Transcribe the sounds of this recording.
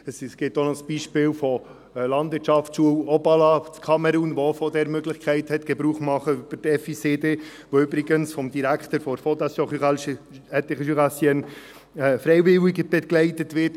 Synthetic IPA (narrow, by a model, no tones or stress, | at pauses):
əssɡ̥ɪtonɔsb̥iːʃpɪːlfɔ | lɑndʋɪːɾtʃɑft͡sʃuəwɔbɑlɑt͡skʰɑmɛɾunʋoofɔdɛɾmøɡlɪχkʰæɪthɛtɡ̥ɛbɾuːχmɑχəyb̥əɾdɛfiseːde | ʋoʏbɾɪɡənsfɔmd̥̪iɾækχtəɾfɔɾfɔtɑsjɔχyʁalʃ | ɛtɪχəʃyʁasjən | ɛfɾɛɪvɪwɪɡəb̥ɛɡlɛɪtətʋɪɾt